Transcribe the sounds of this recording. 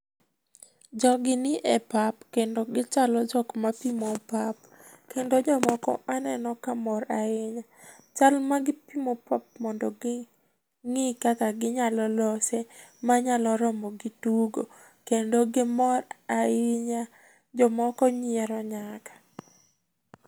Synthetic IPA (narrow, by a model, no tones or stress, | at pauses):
d͡ʒɔɡɪnɪʔɛpapkendoɡɪt͡ʃalɔd͡ʒɔkmapimopap | kendod͡ʒɔmɔkɔ̰manɛnɔkamɔɾaɪɲa | t͡ʃalmaɡɪpimopap̚mɔndɔɡɪ | ŋɪkakaɡɪɲalɔlɔsemaɲalɔɾɔmɔɡɪtuɡo̰ | kendoɡɪmɔɾaɪɲa | d͡ʒɔmɔkɔɲɪɛɾɔɲakḁ